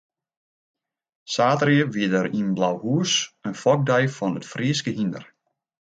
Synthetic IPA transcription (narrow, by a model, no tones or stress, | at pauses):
saːtərjəʋiədəɾinblawhuəsənfɔk̚dɛjfɔnətfriəskəɦində̰r